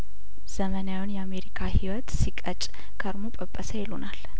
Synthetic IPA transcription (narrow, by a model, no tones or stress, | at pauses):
z̥əmənjawunjɛame̞ɾikʰahiwɔt̪sikʼət͡ʃʼ | kʰəɾmopʼəpʼːəsəjɛlunal